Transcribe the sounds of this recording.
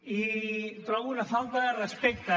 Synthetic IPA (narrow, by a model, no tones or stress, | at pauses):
it̪ɾɔɣunafalt̪arespek̚t̪a